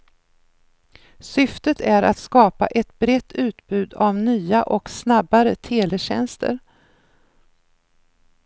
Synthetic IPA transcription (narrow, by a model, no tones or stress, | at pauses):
sʏft̪ət̪ʰæɾa̰t̪skɑːpa̰ʔɛt̪bɾɛt̪ʰːʉ̟ːt̪bʉ̟ːd̪avnyːaʔɔksnabaɾət̪ʰeːlɛɕɛ̰nst̪ʰə̰ɾ